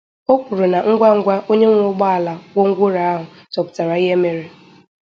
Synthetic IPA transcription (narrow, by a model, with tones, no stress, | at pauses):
o˦kʷu˨ɾu˨na˨ŋ̩˦ɡʷa˦ŋ̩˦ɡʷa˦ʔo˦ɲe˦ŋʷ˦ʊ˦ɡ͡ba˦a˨la˨wo˦ŋ̩˦ɡʷʊ˦ɾa˨a˦ɦʊ˨ | tɔ˨pʊ̥˨ta˨ɾa˨i˦ɦe˦me˦ɾe˦